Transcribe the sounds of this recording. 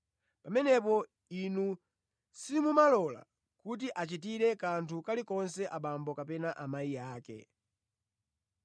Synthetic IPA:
pamɛnɛp̬ɔ | inu | simumalɔla̰ | kut̬iʔat͡ʃit̬iɾɛkantʰukalikɔnsɛʔaɓambɔkapɛnaʔamaijaːkɛ̰

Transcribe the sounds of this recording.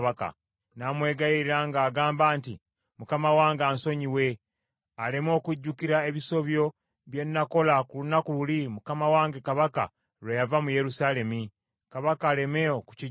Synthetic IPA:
βaka̰ | naːmwe̞ːɡajiɾiɾaŋɡaːɡaːmbaːnti | mukamawaːŋɡaːnso̞ɲiwe̞ | ale̞mo̞ːkwuɟːukiɾae̞βiso̞βjo̞ | βje̞nːako̞lakulunakululimukamawaːŋɡe̞kaβaka̰ | lwejavamuje̞ɾusale̞mi | kaβakaːle̞meoku̥ci

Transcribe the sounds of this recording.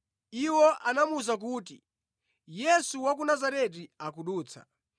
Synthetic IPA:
iwɔʔanamuzak̬uːti | jɛsuwak̬unazaɾɛt̬iakuɗuːt͡sʰḁ̰

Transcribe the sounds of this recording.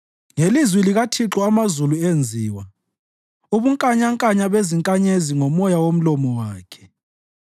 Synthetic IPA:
ŋelizwiliɣatʰiǁɔamazuluend͡zʱiːwa | uβuŋkʼaɲaŋkʼaɲaβeziŋkʼaɲeziŋɔmɔjawom̩lɔmɔwaːkʰɛ̥

